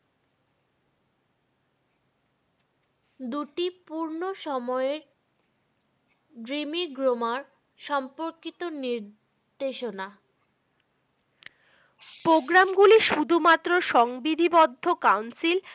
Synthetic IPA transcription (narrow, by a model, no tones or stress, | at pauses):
d̪uʈipuɾnoʃɔmɔeɾ | ɖɾimiɡɾomaɾ | ʃɔmpoɾkit̪oniɾ | d̪eʃona | pɾoɡɾamɡuliʃud̪ʱumat̪ːɾoʃɔŋbid̪ʱibɔd̪ʱːokawnsil